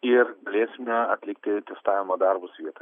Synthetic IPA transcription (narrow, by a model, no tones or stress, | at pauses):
ɪɾɡɐlʲeːsʲɪmʲɛɐt̪ʲlʲɪkt̪ʲɪt̪ʲɛst̪ɑːʋʲɪmoːd̪ɑɾbʊsʋʲiɛt̪ɐ